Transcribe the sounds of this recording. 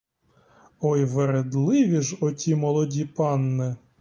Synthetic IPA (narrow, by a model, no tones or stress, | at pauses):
ɔjʋeɾed̪lˠɪʋʲiʒɔtʲimɔlˠɔdʲipɑnːɛ